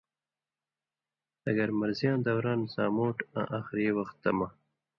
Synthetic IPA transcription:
ɐɡɐɾmaɾzijɑ̃ːnd̪awɾɑːnzɑːmoːʈã̰ʔaxɾewɐxt̪ːama

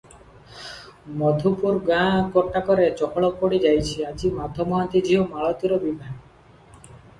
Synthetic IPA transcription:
mɔd̪ʱupuɾɡãkɔʈːakɔɾet͡ʃɔkʰɔɭɔpoɽid͡ʒajt͡ʃʰiad͡ʒimad̪ʱɔmɔɦant̪id͡ʒiɦomaɭɔt̪iɾɔbibʱaɡ

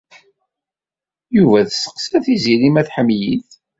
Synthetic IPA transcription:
juvæðsə̥qsæθizilimæθħəmːjiθ

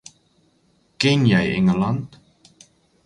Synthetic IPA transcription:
kɪnjɛjɛ̰ŋəlɑnt

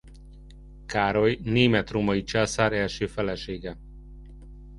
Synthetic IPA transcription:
kaːɾo̞jneːmɛt̪roːmɒit͡ʃaːsaːɾɛlʃøːfɛlɛʃeːɡɛ

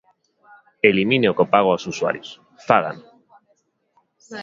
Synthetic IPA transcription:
elimineokopaɣ̞oawsusua̰ɾjos | faða̰n

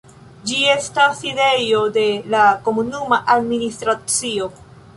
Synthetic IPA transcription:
d͡ʒie̞staside̞jo̞de̞lako̞munumaʔad̚ministɾat͡sio̞

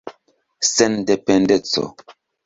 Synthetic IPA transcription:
sɛndɛpɛndɛt͡sɔ̰

